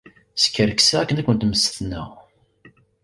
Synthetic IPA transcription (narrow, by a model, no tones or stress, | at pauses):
skːəɾksæækːənækʷːənt̪məsθnə̰